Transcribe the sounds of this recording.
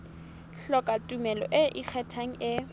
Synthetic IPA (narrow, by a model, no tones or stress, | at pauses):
ɬɔkʼatʼumɛlɔ̰ʔɪʔik͡xʰɛtʰaŋ̩ʔɪ